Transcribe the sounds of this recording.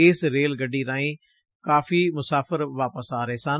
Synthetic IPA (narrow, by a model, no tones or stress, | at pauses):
ɪːsɾeːlɡəɖiːɾãːĩː | kaːfiːmʊsaːfəɾʋaːpəsaːɾɦeːsaː